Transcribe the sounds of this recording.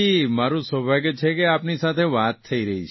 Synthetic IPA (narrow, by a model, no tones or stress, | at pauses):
imaɾũsʋəbʱaɡjt͡ʃʰekeapnisat̪ʰeʋat̪ʰːəiɾəɦit͡ʃ